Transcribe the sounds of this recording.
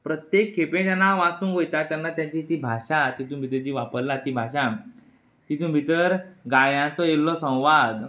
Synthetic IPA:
pɾət̪jekʰːepẽt͡ɕanaʋat͡sũːnʋojt̪at̪janːat̪jat͡ɕiːt̪iːbʱaɕat̪it̪ũbʱit̪əɾd͡ʑiːʋapəɾlat̪iːbʱaɕã | t̪it̪ũbʱit̪əɾɡajãt͡sɔjelːɔsə̃w̃ʋad̪

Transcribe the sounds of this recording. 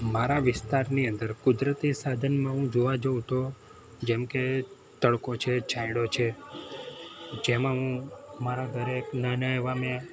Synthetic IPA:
maɾaʋɪst̪aɾniənd̪əɾkʊd̪ɾət̪isad̪ʱənmãɦũd͡ʒoʋad͡ʒəʋt̪ʰo | d͡ʒɛmke | t̪əɭkot͡ʃʰet͡ʃʰaiɽot͡ʃʰe | d͡ʒemãɦũmaɾaɡʱəɾeknanəjʋame

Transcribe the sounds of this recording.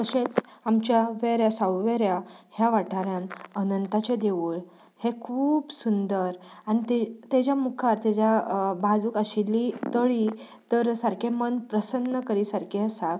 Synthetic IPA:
kəɕet͡samt͡ɕjaʋeɾjasawʋeɾjahjaʋaʈʰaɾjãnənənt̪at͡ɕed̪eʋuɭ | hekʰuːbsund̪əɾanit̪et̪ed͡ʑjamukʰaɾt̪ed͡ʑjabad͡zuːkəɕilːit̪əɭi | t̪əɾsəɾkemənpɾəsənːəkəɾiːsaɾkeəsa

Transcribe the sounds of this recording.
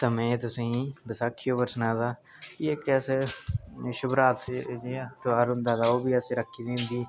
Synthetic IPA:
t̪aːmɛ̃ːt̪ʊsĩːbəsaːkʰːijoːpəɾsnãːd̪aː | iekɛːse | ʃʊbɾaːt̪d͡ʒiːt̪aːɾɦʊnd̪aːd̪aːoːbiːəsẽːɾəkʰːiːd̪ẽːnd̪iː

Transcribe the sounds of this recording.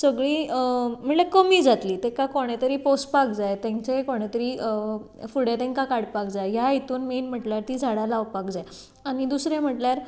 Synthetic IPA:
səɡɭiːm̤əɳlekəmiːd͡zat̪liːt̪ekakoɽ̃et̪əɾiːpospakd͡zajt̪ẽŋt͡ɕekoɽ̃et̪əɾiːə | fuɽet̪ẽŋkakaɽpak̚d͡zajɦjaɦit̪uːnmenm̤əʈljaɾt̪iːd͡zʱaɽalaʋpakd͡zaj | añid̪usɾem̤əʈljaɾ

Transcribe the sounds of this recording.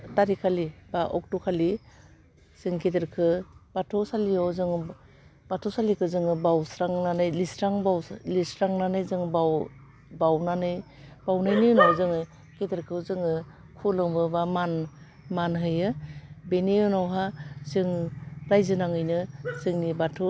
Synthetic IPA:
taɾikʰalib̥aʔɔk̚tukʰali | sɯŋketeɾkʰɯb̥atʰɔsaliɔwzɯŋ | b̥atʰɔsalikʰɯzɯŋɯbawsɾaŋnanɯjlisɾaŋbawlisɾaŋnanɯjzɯŋbaw | bawnanɯj | b̥awnajnɯjnawzɯŋɯ | keteɾkʰɯzɯŋɯ | kʰulɯŋbɯbaman | manɦɯjɯbeniɯnawɦazɯŋɾajzɯnaŋɯjnɯzɯŋnibatʰɔ

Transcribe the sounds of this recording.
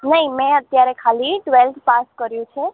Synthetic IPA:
nəɦimɛ̃ət̪jaɾekʰaliʈʋelt̪paskəɾjũt͡ʃʰe

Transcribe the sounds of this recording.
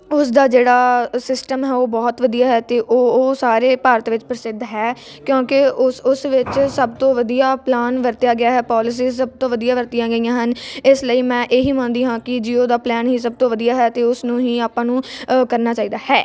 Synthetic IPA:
ʊsd̪aːd͡ʒeːɽaːsɪsʈəmɦɛːoːbɔːt̪ʋəd̪ijaːɦɛːt̪eːʔoːsaːɾeːpaːɾət̪ʋɪt͡ʃpɾəsɪd̪ʱɦɛː | kjõːkeʊʊsʋɪt͡ʃsəbt̪õːʋəd̪ijaːplaːnʋəɾt̪jaːɡɪjaːɦɛːpɔːlɪs̬iːsəb̚t̪õːʋəd̪ijãːʋəɾt̪ijãːɡəijãːɦənɪsləiːmɛ̃ːʔeːɦiːmə̃ːnd̪iːɦãːkɪd͡ʒiːoːd̪aːplɛːnɦiːs̬əb̚t̪õːʋəd̪ijaːɦɛːt̪eːʊsnũːɦiːaːpːãːnũːkəɾnaːt͡ʃaːiːd̪aːɦɛː

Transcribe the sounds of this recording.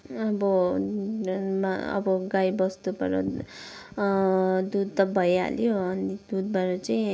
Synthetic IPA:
ʌbʌ | maʌ̰bʌɡajbʌst̪ubʌɾʌ̰ | d̪ud̪̚t̪ʌbʱʌja̰ljoʌnid̪ud̪̚baɾʌt͡saĩ

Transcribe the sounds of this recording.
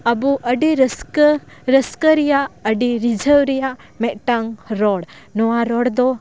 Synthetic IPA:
abuʔəɖiɾəskə | ɾəskəɾijaʔəɖiɾid͡ʒʱəwɾijaʔ | mɛʔ̚ʈaŋɾɔɽ | nɔwaɾɔɽd̪ɔ

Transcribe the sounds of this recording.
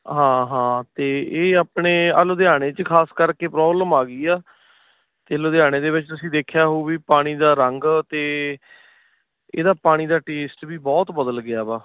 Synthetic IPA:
ɦãːɦãːt̪eːeːaːpɳeːəloːd̪ɪjaːɽ̃eːt͡ʃkʰaːskəɾkeːpɾɔːbləmaːɡiːaː | t̪eːəloːd̪ɪjaːɽ̃eːd̪eːʋɪt͡ʃt̪ʊsĩːd̪eːkʰjaːɦoːbiːpaːɽ̃iːd̪aːɾəŋɡt̪eː | ḛːd̪aːpaːɽ̃iːd̪aːʈeːsʈʋiːbɔːt̪bəd̪əlɡɪaːbaː

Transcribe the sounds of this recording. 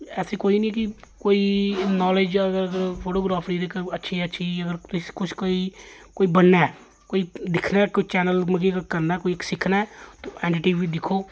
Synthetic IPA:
ɛːseːkoːiːnĩkikoːiːnɔːled͡ʒəɡəɾəɡəɾpʰoːʈoːɡɾaːpʰɾiːɾekətːʃʰiːətːʃʰiəɡəɾt̪kʊt͡ʃʰkoːiːkoːiːbənːaː | koːiːd̪ɪkʰnaːkot͡ʃɛːnəlməɡikkəɾnaɛːkoːiksɪkʰnaɛt̪oːʔɛːɳʈɪʈiːiːd̪ɪkʰːoː

